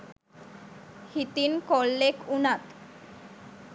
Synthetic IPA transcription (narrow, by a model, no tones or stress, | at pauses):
hit̪iːnkɔlːekunat̪